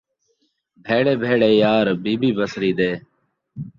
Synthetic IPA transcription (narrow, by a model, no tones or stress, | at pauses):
bʱeːɽeːbʱeːɽeːjaːɾbiːbʱiːbəsɾiːd̪eː